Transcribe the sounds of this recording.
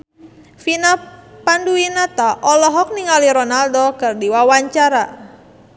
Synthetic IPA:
finapanduinat̪aʔɔlɔɦɔk̚niŋaliɾɔnaldɔkɨrdiwawaɲt͡ʃaɾa

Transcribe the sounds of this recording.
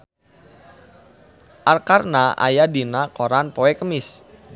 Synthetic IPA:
ʔarkarnaa̰jadinakoɾanpoɛkəmɪs

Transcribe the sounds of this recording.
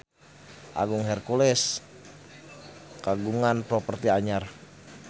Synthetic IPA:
ʔa̰ɡuŋɦɛrkulɛs | kaɡuŋanpɾɔpərt̪iaɲar

